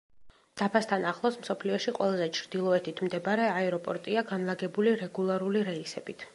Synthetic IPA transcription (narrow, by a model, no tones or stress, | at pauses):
d̪̥apʰast̪ʰanaχlˠɔsmsɔpʰliɔʃiqʼwʔɛ̰lˠazɛt͡ʃʰɾd̪̥ilˠɔɛt̪ʰit̪ʰmd̪ɛbaɾɛaɛɾɔpʼɔɾt̪ʼiaɡanlˠaɡɛbuliɾɛɡulˠaɾuliɾɛisɛ̰bit̪ʰ